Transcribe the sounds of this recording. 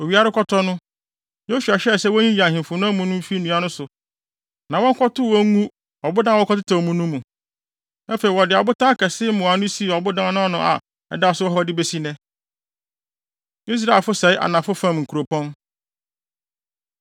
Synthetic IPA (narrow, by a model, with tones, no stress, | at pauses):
o˨wi˨˦a˦ɾɪ˦kʰɔ˦tʰɔ˦nʊ̃˦ | jo˦su˨a˨ɕɛ˦˨sɛ˦wɔ˦ɲĩ˦ja˨hɪ̃˨m˨fʊ˨n˦ã˦mũ˦nʊ̃˦m̩˦fi˦nĩ˨a˦nʊ̃˦sʊ˨ | nã˨wɔ̃˦ŋ̩˦kʰʷɔ˦tʊ˦wɔ˦ŋũ˦ | ɔ˨bʊ˦dã˦˨wɔ˦kʰɔ˦tɪ˦tʰã˨mũ˦nũ˦mũ˨ | ɛ˦fe˨i˨wɔ˨dɪ˨a˨bʊ˦tã˦kɛ˨sɪ˦mʊ̃˨a˨nʊ̃˦si˦˨ɔ˨bʊ˦dã˦nʊ̃˦˨nʊ̃˦a̰˨ | ɛ̰˦˨da˦ɔ˨sʊ˦wɔ˦ɦɔ˦dɪ˦be˦si˦nɛ̃˦ | i˦s̬ɾa˦˨e˨lfʊ˦sɛ˨ɪ˦ʔa̰˨nã˨fʊ˦fã˦mŋ̩˨kʰu˨ɾo˨pʰɔ̃˦n